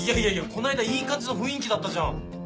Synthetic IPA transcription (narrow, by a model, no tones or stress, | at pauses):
ijaijaijako̞naid̪aiːkat͡sɨnoɸɯ̟̃ĩŋkʲid̪at̪ːaʑã̰